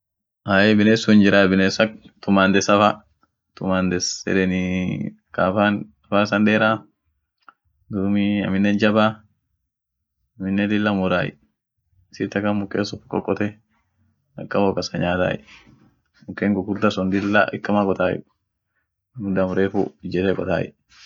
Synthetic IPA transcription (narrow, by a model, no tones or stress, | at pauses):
ʔaːjɛbɪneːsːʊnd͡ʒɪɾaːbɪneːsɐkt̪ʊmaːnd̪ɛsɐfa | t̪ʊmand̪ɛsɛ̰dɛni | kafan | ɐfaːsɐndeːɾa | d̪umiɐ̰mɪnːɛnd͡ʒɐba | ɐmɪnːɛd̪ɪlːamʊɾa̰ːjɪ̰ | siɾt̪ɐkɐmʊkːeːsɔfkʼːɔ̰kʼːɔt̪ɛ | ɐkːɐwokɐsɐɲaːt̪a̰ːjɛ̰ | mʊkːeːŋkɔkʊɾd̪ɐsɔnd̪ɪlːa̰ɪkːɐmakʼɔt̪aːjɛ̰ | mʊd̪ɐmɾeːfṵd͡ʒɛt̪ɛkʼɔt̪a̰ːjɛ̰